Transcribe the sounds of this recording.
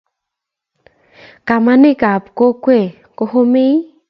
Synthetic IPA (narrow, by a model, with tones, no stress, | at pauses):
ka˨ma˦nɪ˦ka˨pko˦kwe˦˨ | ko˦ho˦me˦